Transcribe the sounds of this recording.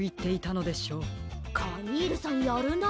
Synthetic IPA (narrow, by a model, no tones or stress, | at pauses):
it̪ːe̞it̪ano̞d̪e̞ɕo̞ːkʰaɲiːɾɯ̟sanjʌɾɯno